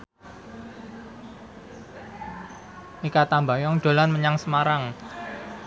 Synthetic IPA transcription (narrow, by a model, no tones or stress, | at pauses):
mikat̪ambajɔŋɖ̥o̤lanməɲaŋsəmaɾaŋ